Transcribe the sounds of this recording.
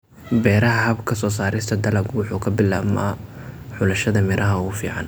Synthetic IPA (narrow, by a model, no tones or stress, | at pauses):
bɛːɾɐɦɐɦɐbkʰɐsɔːsaːɾɪst̪ʰɐd̪ɐlɐɡwʊħuːkʰɐbɪla̰ːbmɐħʊlɐʃɐðɐmɪɾʔɐɦɐuːfḭːʕɑ̰n